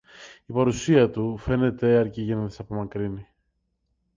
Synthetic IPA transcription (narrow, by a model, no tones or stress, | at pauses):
ipɐɾusiɐt̪ufe̞ne̞t̪e̞ɐɾciʝenɐðisɐpo̞mɐkɾini